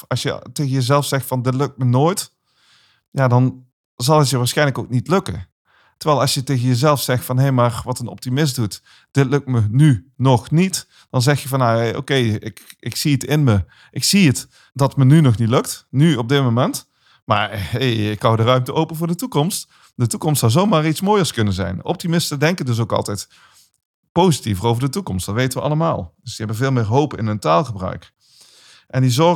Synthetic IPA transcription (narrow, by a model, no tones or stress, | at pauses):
ɑsjətejɣənjəzɛlˠfsɛxtfɑndɪtlɵk̚t̚mənoːjt | jadɑn | zɑlˠətjəʋaːɹsxɛjnləkowknitlɵkə̰ | təɹʋɛːlˠɑsjətejɣənjəzɛlˠfsɛxtfɑnɦejmaːɹʋɑtənɔ̰p̚timɪs̬dut | d̥ɪtlɵk̚tmənynɔxnit | d̥ɑnzɛxjəvɑnao̰wkejɪkɪksiətɪnmə | ʔɪksiət | dɑtmənynɔχnitlɵk̚tnyɔb̚dɪt̚momɛnt | maːɹeɪkhɑwdərœɥmtəʔowpənvʊːɹdətukɔmst | dətukɔmstsɑwzowmaːritsmoːjəɹskɵnənzɛ̰jnɔ̰p̚timɪstədɛŋkədɵs̬owkɑ̰lˠtɛjt | powzitivərowvəɹdətukɔmstdɑtʋejtənʋəʔɑləmaːlˠd̥ɵsdiɛbənvɪːlˠmɪːɹɦowpɪ̰nəntaːlˠχəbrœ̰ɥk | ʔɛndizɔ